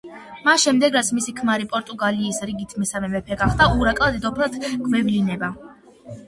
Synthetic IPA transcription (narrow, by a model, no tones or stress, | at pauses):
masʃɛmd̪ɛɡɾat̪sʰmisikʰmaɾipʼɔɾt̪ʼuɡaliːsɾiɡit̪ʰmɛsamɛmɛpʰɛɡaχd̪auɾakʼlˠad̪ɛd̪ɔpʰɾlˠad̪̥ɡ̥mɛvlinɛba